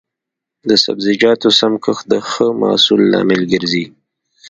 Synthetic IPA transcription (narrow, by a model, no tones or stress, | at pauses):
d̪əsa̰bzɪd͡ʒɑt̪osamkəxd̪əxəmɑ̰sulːɑ̰mɪlɡəɾzi